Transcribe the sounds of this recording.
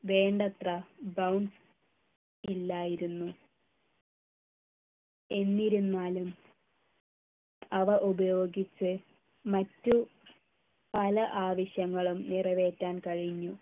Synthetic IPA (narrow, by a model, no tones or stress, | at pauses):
ʋe̞ːɳɖɐt̪rɐbɐwɳɖs | ilːaːjiɾunːu | e̞nːiɾunːaːlum | ɐʋɐʔubɐjo̞ːɡit͡ɕːɨ | mɐtːu | pɐlɐʔaːʋɐɕjɐŋːɐɭumnirɐʋe̞ːtːaːnkɐɻiɲːu